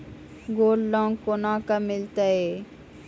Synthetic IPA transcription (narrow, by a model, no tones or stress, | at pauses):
ɡoːllɔ̃ːŋkonãːkamɪlt̪aeː